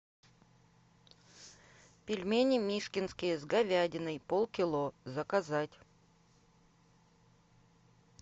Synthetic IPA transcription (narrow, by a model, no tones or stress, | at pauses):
pʲɪlʲmʲenʲɪmʲiʂkʲɪnskʲɪjəzɡɐvʲadʲɪnɨjpolˠkʲɪlˠozəkazatʲ